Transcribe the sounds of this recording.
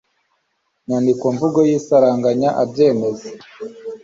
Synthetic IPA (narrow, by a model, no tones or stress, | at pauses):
ɲaːndikwoɱvuɡo̞jisaɾaːŋɡaɲaʔabje̞ːme̞ze̥